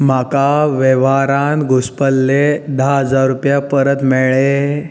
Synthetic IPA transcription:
makaʋeʋaɾãnt̪ɡʱuspəlːed̪aɦəd͡zaɾːupjapəɾət̪meɭe

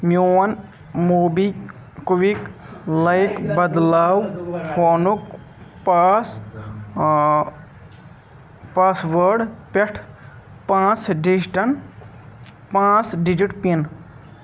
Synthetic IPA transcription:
mjuwɐn | muːbi | kuʋiklɐjkbɐd̪laːwpʰoːnuk | paːs | paːsʋəɾɖpeʈʰ | pãːt͡sɖisʈɐn | pãːt͡sɖid͡ʒiʈpin

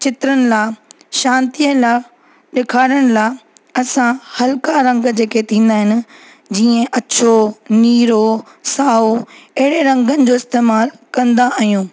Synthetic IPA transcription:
t͡ɕɪt̪ɾənɪ̆laː | ʃãːnt̪iəla | ɗɪkʰaːɾəɽ̃ɪ̆laː | ɐsãhɐlkaɾɐ̃ŋɡd͡ʑeːkʰet̪ʰĩːn̆d̪aːɦɪnɪ̆ | d͡ʑiːə̃ʔɐt͡ɕʰoniːɾo | saːoɐɦɪɽeɾɐ̃ŋɡənɪ̆d͡ʑoːɪst̪eːmaːlkɐ̃nd̪aʔaɦijũː

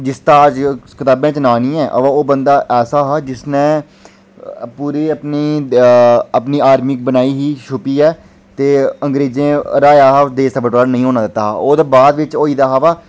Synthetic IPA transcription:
d͡ʒɪst̪aːəd͡ʒkɪt̪aːbãːt͡ʃnaːnĩːɛ̃ːʔə̰ʋãːoːbə̃nd̪aːʔɛːsaːɦaːd͡ʒɪsnẽː | puːɾeːəpniː | əpniːaːɾmɪk̚bənaːiːɦiːʃʰʊpiːɛː | t̪eːəŋɡɾeːzẽːɾaːjaːɦd̪eːsəbəʈːənəĩːɦoːnãːd̪ɪt̪ːaːɦaːoːd̪aːbaːd̪ʋɪt͡ʃoːiːd̪aːɦaʋaː

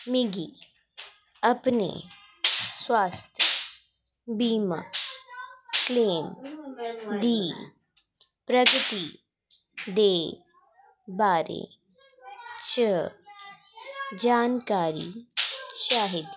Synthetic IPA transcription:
miɡi | ɐpnḛ | swaːst̪ʰə | biːma̰ | kleːm | d̪iː | pɾəɡt̪i | d̪eː | baːɾḛː | t͡ʃə | d͡ʒaːnkaːɾḭ | t͡ʃaːɦid̪

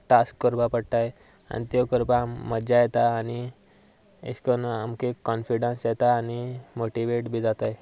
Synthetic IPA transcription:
ʈaskːəɾpapəɽʈ̪aj | a̰ñit̪jɔkəɾbaməd͡ʑajɛt̪aːni | ḛskənamkekɔnfiɽãnsjɛt̪aːñimoʈiʋeʈbʱiːd͡zat̪aj

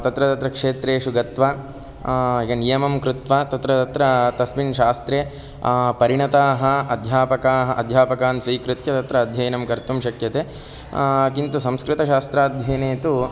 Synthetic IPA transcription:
t̪ɐt̪ɾɐt̪ɐt̪ɾɐkʂeːt̪ɾeːʃuɡɐt̪ʋaː | jɐnijɐmɐmkɾut̪ʋaːt̪ɐt̪ɾɐt̪ɐt̪ɾɐt̪ɐsminʃaːst̪ɾeː | pɐɾiɳɐt̪aːɦɐ̆ɐd̪ʱjaːpɐkaːɦɐʔɐd̪ʱjaːpɐkaːnsɾiːkɾɪt̪jɐt̪ɐt̪ɾɐːd̪ʱjɐjɐnɐmkɐɾt̪umʃɐkjɐt̪eː | kint̪usɐmskɾɪt̪ɐʃaːst̪ɾaːd̪ʱjɐjneːt̪u

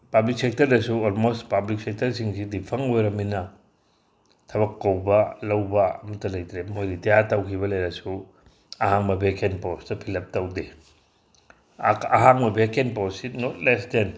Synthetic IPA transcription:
pɐblik̚sek̚tɐɾdɐsuolmostpablik̚sek̚tɐɾsiŋsidipʰɐŋojɾɐminɐ | tʰɐbɐkːɐwbɐlɐwbɐɐmɐtːɐlɐjt̪ɾemojɾitɐjaɾtɐwkʰibɐlɐjɾɐsu | ɐɦaŋmɐbʱekʰenpostɐpʰilɐp̚tɐwde | ɐɦaŋmɐbʱekenpossinot̚lesden

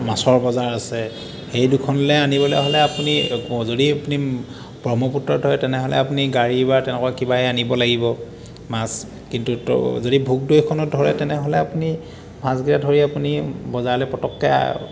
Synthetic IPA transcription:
masɔɹbɔzaɹasɛ | xejdukʰɔnlɛanibɔlɛɦɔlɛapunizodiapuni | bɹɔmɔputɹɔdɦɔjtɛnɛɦɔlɛ̰apuniɡaɹibatɛnɛkwakibaɛanibɔlaɡibɔ | mas | kintṵzodibʱuk̚dojkʰɔnɔt̚dʱɔɹɛ̰tɛnɛɦɔlɛapuni | masɡiɹadʱɔɹiapunibɔzaɹlɛpɔtɔkːɛ̰

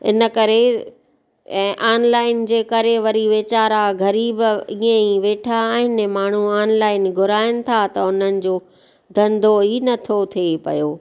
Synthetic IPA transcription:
ɪ̰nə̆kɐɾe | ʔaːnlaːɪnd͡ʑeːkɐɾeʋɐɾiʋeːt͡ɕaːɾaɡʱɐɾiːbiːẽiʋeːʈʰaːɦɪnmaːɳ̤uaːnlaːɪnɡʱʊɾaːɪnɪ̆t̪ʰat̪ɐʊn̤ənɪ̆d͡ʑoː | ɡ̪ɐ̃nd̪ʱoinɐt̪ʰot̪ʰiepɐ̰joː

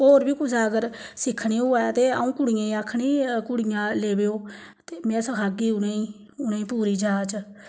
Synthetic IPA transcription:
oːɾbiːkʊsaːəɡəɾsɪkʰɳiːʊːaːt̪eːaũːkʊɽɪjãːĩːaːkʰːɳiːkʊɽɪjãːleːbeːoː | t̪eːmẽːsəkʰaːɡiːʊnẽːiː | ʊneːĩːpuːɾiːd͡ʒaːt͡ʃ

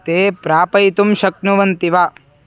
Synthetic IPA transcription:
t̪eːpɾaːpɐjt̪umʃɐknuʋɐnt̪iʋa

